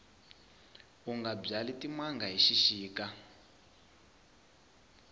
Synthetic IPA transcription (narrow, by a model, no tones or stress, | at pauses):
uŋɡab͡ʐalitimaŋɡaɦiʃiʃiːka